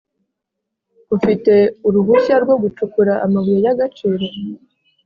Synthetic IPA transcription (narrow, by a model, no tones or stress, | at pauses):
ufite̞uɾuβuɕaɾɡwo̞ɡut͡ʃukuɾaʔa̰maβijejaɡat͡ʃiɾe